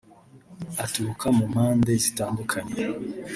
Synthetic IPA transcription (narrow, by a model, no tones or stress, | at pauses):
atuɾukamum̥haːnde̞zitaːndukʰaɲe